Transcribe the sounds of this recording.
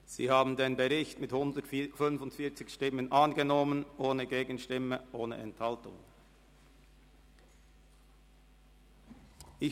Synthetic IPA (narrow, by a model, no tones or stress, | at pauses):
z̥ḭːhaːbn̩deːnbəʁɪçtmɪthʊndətfʏnfʊntfiːɐt͡sɪçʃtɪmənʔanɡənɔmənʔoːnəɡeːɡən̩ʃtɪməʔoːnə̰ʔɛ̰nthaltʊ̰ŋ | ʔɪ